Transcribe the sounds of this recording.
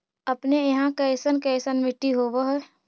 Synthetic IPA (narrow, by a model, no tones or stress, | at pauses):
əpnejɐɦãkɛɪsənkɛɪsənmɪʈːiɦoːʋəɦɛ